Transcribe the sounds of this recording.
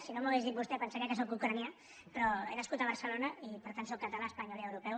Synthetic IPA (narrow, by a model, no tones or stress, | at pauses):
sinomuɣezðit̪̚bust̪ɛpənsakakes̬okukɾanja | pɾɔḛnaskut̪əβəɾsəlonəipəɾt̪antsokːət̪əlaəspaɲɔliəwɾupɛw